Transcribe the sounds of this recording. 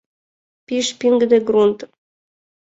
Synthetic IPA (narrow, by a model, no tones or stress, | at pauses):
piʃpʲiŋɡd̪eɡɾunt̪